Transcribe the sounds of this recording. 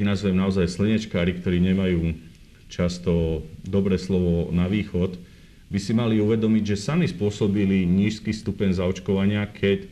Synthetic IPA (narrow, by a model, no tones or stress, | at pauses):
nazʋɛmnaɔzajslɛɲɛt͡ʃkaːɾikt̪ɔɾiːɲɛmajuː | t͡ʃast̪ɔd̪ɔbɾɛːslɔʋɔnaʋiːxɔt̪ | bisimaliuʋɛd̪ɔmiɟʒɛsamispʊɔsɔbiliɲiːʃskiːst̪upɛɲzaɔt͡ʃkɔʋaɲɪakʰɛc